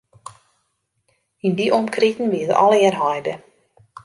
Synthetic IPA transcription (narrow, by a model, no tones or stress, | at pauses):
indiʔɔmkritn̩ʋiətɔ̰lˠɪərɦɔjdə